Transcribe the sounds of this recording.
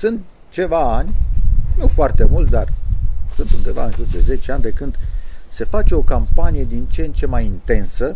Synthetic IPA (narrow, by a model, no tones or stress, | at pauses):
sɨnt̪̚ | t͡ʃe̞vaanʲnufoart̪e̞mult̪d̪arsɨnt̪und̪e̞va̰ɨnʒurd̪e̞ze̞t͡ʃeanʲbe̞kɨnd̪̥se̞fat͡ʃe̞o̞kampanije̞d̪int͡ʃent͡ʃe̞majint̪e̞nsə